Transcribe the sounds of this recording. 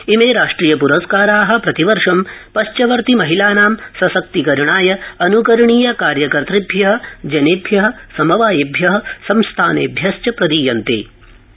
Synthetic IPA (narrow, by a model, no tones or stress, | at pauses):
imeːɾaːʂʈɾiːjɐpuɾɐskaːɾaːɦɐ̆pɾɐt̪iʋɐɾʂɐmpɐʃt͡ʃɐʋɐɾt̪imɐɦilaːnaːmsɐsɐk̚t̪ikɐɾiɳaːjɐɐnukɐɾɐɳiːjɐkaːɾjɐkɐɾt̪ɾibʱjɐɦɐ̆d͡ʒɐnebʱjɐɦɐ̆sɐmɐʋaːjɐbʱjɐɦɐ̆sɐmst̪ʰaːnḛːbʱjɐst͡ʃɐpɾɐd̪iːjɐnt̪ḛː